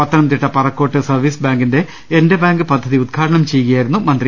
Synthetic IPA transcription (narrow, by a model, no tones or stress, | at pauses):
ɐt̪ːɐnɐmt̪iʈːɐpɐrɐkːoːʈːɨsɐrʋiːsbaːŋɡinde̞ | ende̞baːŋɡɨpɐd̪ʱːɐðiud̪̚kʰaːɾɐɳɐmt͡ɕe̞jːkɣɐjaːjiɾunːumɐnd̪ri